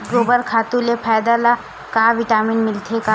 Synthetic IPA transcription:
ɡoːbəɾkʰaːt̪ulepʰaːd̪ala | kaʋɪʈaːminmɪlt̪ʰeka

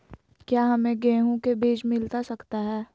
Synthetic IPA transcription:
kjaːɦɐmẽɡɛ̃ːɦõkebiːd͡ʒmɪlt̪asɐkt̪aɦɛː

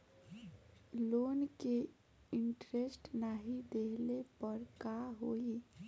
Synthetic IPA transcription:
loːnke | ɪɳʈɾesʈnaɦid̪eɦlepəɾkaɦoːi

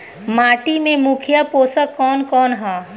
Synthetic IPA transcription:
maːʈimẽmukʰjəpoːsəkːɔːnkɔːnɦaː

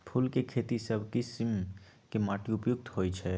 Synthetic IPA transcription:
pʰulkekʰet̪isəbʱkisimkemaʈiupjʊk̚t̪ɦojt͡ʃʰɛ

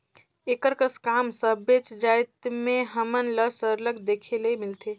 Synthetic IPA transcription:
ekəɾkəskamsəbet͡ʃd͡ʒajt̪meɦəmənləsəɾləɡd̪ekʰelemilt̪ʰe

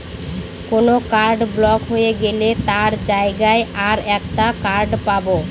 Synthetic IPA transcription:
konokaɾɖblɔkɦojeɡelet̪aɾd͡ʑaeɡaeaɾɛkʈakaɾɖpabo

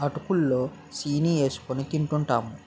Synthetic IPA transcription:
ɐʈukulːoː | siːnie̞ːsu̥konit̪iɳʈuɳʈaːmu

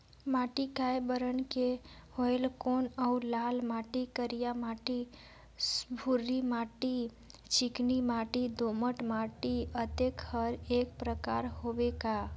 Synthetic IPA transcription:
maʈikajbəɾənkehoelkonəulalmaʈikəɾijamaʈi | sbʱuɾːimaʈi | t͡ʃiknimaʈid̪oməʈmaʈiət̪ekhəɾek̚pɾəkaɾhobeka

